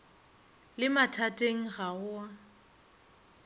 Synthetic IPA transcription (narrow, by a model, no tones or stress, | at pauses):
lɪmatʰatʼeŋ̩ɣaʊa